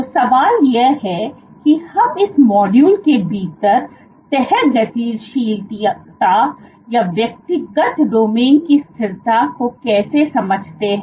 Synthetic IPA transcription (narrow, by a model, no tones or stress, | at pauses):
t̪osɐʋaːljeɦɛ | kihɐmɪsmɔːɖjuːlkebʱiːt̪əɾ | t̪ɛɦɛt̪d͡ʒɐt̪iːlʃiːlt̪it̪a | jaʋjɐk̚t̪ɪɡət̪ɖoːmeːnkist̪ʰɪɾt̪akokɛːsesɐməd͡ʒʱt̪eɦɛ̃